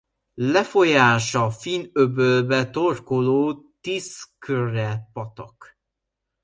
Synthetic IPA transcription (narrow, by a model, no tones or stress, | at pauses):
lɛfo̞jaːʃɒfinøbølbɛt̪orkoloːt̪iːskørɛpɒt̪ɒk